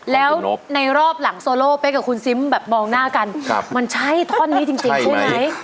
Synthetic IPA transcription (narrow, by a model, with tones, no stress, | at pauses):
lɛː˦˥wna˧jɾɔː˥˩p̚la˨˩˦ŋsoː˧loː˥˩pa˧jkaː˨˩kʰu˧nsi˦˥mbɛː˨˩p̚mɔː˧ŋnaː˥˩ka˧nʰ˧ma˧nt͡ɕʰa˦˥˩jt̪ʰɔː˥˩nːiː˦˥t͡ɕi˧ŋt͡ɕi˧˥ŋt͡ɕʰu˥˩ma˦˥j